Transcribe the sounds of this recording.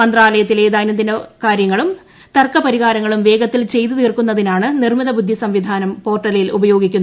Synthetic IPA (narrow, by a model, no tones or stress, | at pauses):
ɐnd̪raːlɐjɐt̪ːile̞ːd̪aːnɐnd̪inɐkaːɾjɐŋːɐɭum | t̪ɐrkɐpɐɾiɣaːɾɐŋːɐɭumʋe̞ːɡɐt̪ːilt͡ɕe̞jt̪ɨt̪iːrkunːɐðinaːɳɨnirmiðɐbud̪ʱːjisɐmʋid̪ʱaːnɐmpo̞ːrʈːɐlɐjilʔubɐjo̞ːɡikʲːunːɐ